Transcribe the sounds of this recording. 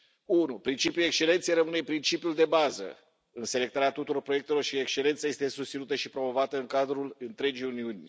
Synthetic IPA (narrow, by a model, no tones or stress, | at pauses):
unupɾint͡ʃipjuekst͡ʃe̞lent̪sejɾəmɨnepɾint͡ʃipijuld̪e̞bazə̰ | ɨnse̞le̞k̚t̪aɾat̪ut̪uɾo̞rpɾo̞jekt̪e̞lo̞rʃiekʃt͡ʃe̞lent̪saje̞st̪esust̪sinut̪əʃipɾo̞mo̞vat̪əɨŋkad̪ɾulɨnt̪ɾe̞d͡ʒiuniunʲ